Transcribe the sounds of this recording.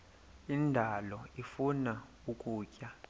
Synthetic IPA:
indʱalɔifuna | ukʼuːcʼa

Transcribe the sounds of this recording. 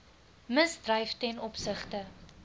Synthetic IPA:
məsdrɐjftɛnɔpsəχtə

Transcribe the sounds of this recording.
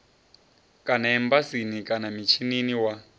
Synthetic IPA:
kʼanaɛmbasinikʼanamit͡ʃʰininiwa

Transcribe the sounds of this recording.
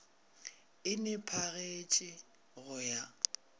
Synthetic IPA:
ɪnɪpʰaɣet͡ʃʼɪ | ɣʊja

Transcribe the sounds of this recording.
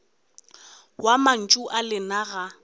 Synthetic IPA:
waman̩t͡ʃʼuʔalɪnaɣa

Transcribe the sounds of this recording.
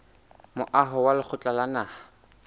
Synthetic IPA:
mʊʔaɦʊwalɪk͡xʰʊt͡ɬʼalanaːha

